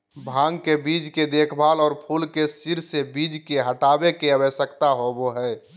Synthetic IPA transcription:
bʱãːŋɡkebiːd͡ʒked̪eːkʰbʱaːlɔːɾpʰulkesiɾsebiːd͡ʒkeɦəʈaːbekeəbəsəkt̪aɦoboɦɛː

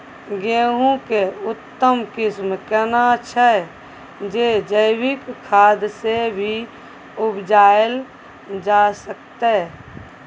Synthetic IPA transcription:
ɡeːɦũkeʊt̪ːəmkɪsmkənat͡ʃʰə | d͡ʒed͡ʒəɪwɪkkʰaːd̪sebʱi | ʊbd͡ʒaːəl | d͡ʒasəkt̪e

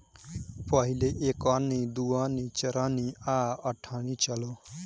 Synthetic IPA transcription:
pɔɦileʔeːkaːnid̪uːaːniːt͡ʃɐɾaːniaːʌʈʰaːnit͡ʃəloː

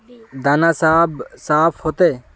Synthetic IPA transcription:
d̪aːnaːsaːbsaːfʰhoːt̪eː

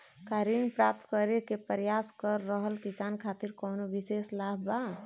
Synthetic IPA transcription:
kaɾinpɾap̚t̪kəɾekepəɾjaskəɾːəɦəlkisankʰat̪iɾkonobiseslaba

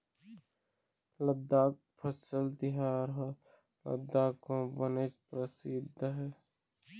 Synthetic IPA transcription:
ləd̪ːaːk̚ | pʰəsəlt̪ɪɦaːɾɦɛ | lə̰d̪ːaːkõːbənet͡ʃpɾəsɪd̪ʱɦɛː

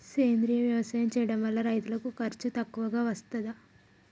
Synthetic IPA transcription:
seːnd̪ɾijɐʋjɐʋɐsaːjɐmt͡ʃɛːjɐɽɐmʋɐlːɐɾɐjt̪ulɐkukɐɾt͡ʃut̪ɐkːuʋɐɡaːʋɐst̪ɐd̪a

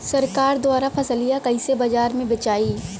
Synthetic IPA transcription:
sɐɾkaːɾd̪waːɾapʰɐsəlijakɐɪ̃sebɐd͡ʒaːɾmẽbɐt͡ʃaːiː

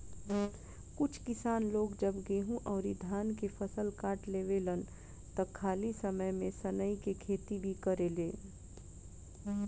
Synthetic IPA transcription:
kʊt͡ʃʰkɪsaːnloːɡd͡ʒəbɡeːɦũʔɔːɾid̪ʱaːnkefʰəsəlkaːʈleːʋelən | t̪ɐkʰːaːlisəməjmẽsənəikekʰeːt̪ibʱikəɾeleː

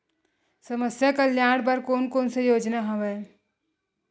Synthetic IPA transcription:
sɐməsjakəljaːɽbɐɾkoːnkoːnsejoːd͡ʒnaɦɐʋe

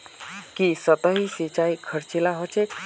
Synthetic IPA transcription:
kisət̪əɦisit͡ʃaikʰəɾt͡ʃilaɦot͡ʃek

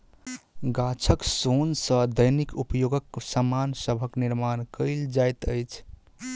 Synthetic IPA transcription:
ɡat͡ʃʰəksonsə̃d̪əjnikupjoɡəkːsamansəbʱəkniɾmankəɪld͡ʒajt̪əjt͡ʃʰ

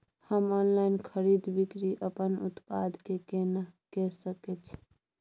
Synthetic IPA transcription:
həmɔnlainkʰəɾid̪bikɾiʔəpənṵt̪pad̪ʱkekenakɛsəkɛt͡ʃʰ

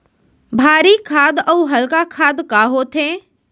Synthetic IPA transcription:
bʱaːɾikʰaːd̪əuɦəlkakʰaːd̪kaɦot̪ʰẽː

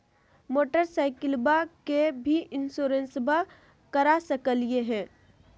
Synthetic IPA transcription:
moːʈəɾsaːɪkɪlbakebʱiʔɪnsoːɾẽnsba | kəɾasəkəlijeɦɛ̃ː

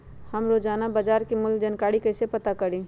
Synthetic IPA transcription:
həmɾod͡ʒaːnabad͡ʒaːɾkimʊld͡ʒənkaːɽikəɪsepət̪akəɽĩ

